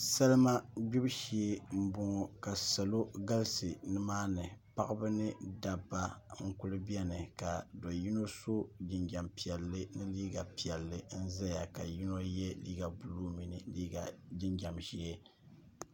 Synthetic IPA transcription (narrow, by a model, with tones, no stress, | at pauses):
sa˦lma˦ɡ͡bi˦bʃi˨e˦m̩˦bʊ˨ŋɔ˨ka˨sa˨lo˦ɡa˦lsɨ˨nɨ˦maː˦nɨ˨pa˦ʔɨ˦bɨ˦nɨ˦da˨bːa˦ŋ̩˦ku˦lɨ˦bi˦ɛ˦nɨ˨ka˨dɔ˨ji˦no˦so˦d͡ʒɪ˨ɲd͡ʒa˨mpi˨ɛ˨lːɨ˦nɨ˦liː˦ɡa˨pi˨ɛ˨lːɨ˦n̩˦za˦ja˨ka˨ji˦no˦jɛ˦liː˦ɡa˨bu˨luː˦mi˦nɨ˨liː˦ɡa˨d͡ʒɪ˦ɲd͡ʒa˨mʒi˦e˦